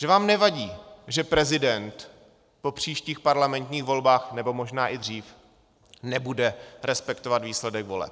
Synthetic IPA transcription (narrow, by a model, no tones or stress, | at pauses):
ʒ̥ɛvaːmnɛvaɟiːʒɛpɾɛzɪdɛnt̪ | po̞pr̝̥iːʃciːxpaɾlamɛnt̪ɲiːɣvo̞lbaːxnɛbo̞moʒnaːʔɪd̪r̝iːf | nɛbudɛɾɛspɛkt̪ovat̪viːslɛdɛɡvo̞̰lɛ̰p̚